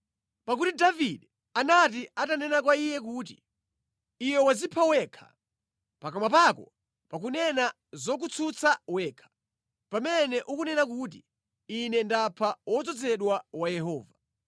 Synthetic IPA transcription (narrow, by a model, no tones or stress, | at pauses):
pak̬utidaviɗɛ | anat̬iatanɛnak̬waijɛk̬uːt̬ḭː | wɛwazipʰawɛkʰḁ̰ | pakamap̬akɔ̰ | pak̬unɛna | zɔk̬ut͡sʰut͡sʰawɛːkʰḁ | pamɛnɛʔukunɛnakut̬i | inɛndapʰawɔt͡sɔd͡zɛɗwawajɛhɔːva